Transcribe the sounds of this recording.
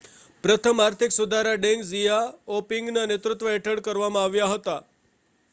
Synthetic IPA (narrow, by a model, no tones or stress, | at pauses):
pɾət̪ʰəmaɾt̪ʰiksud̪ʱaɾaɖeŋɡzijaopiŋɡnənet̪ɾut̪ʋəɛʈʰəɽkəɾʋamãaʋjaɦət̪a